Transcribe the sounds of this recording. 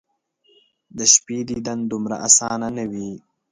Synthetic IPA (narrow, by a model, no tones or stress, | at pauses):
d̪əʃpiːd̪id̪ɐnd̪umɾa̰ʔasaːnanɐwi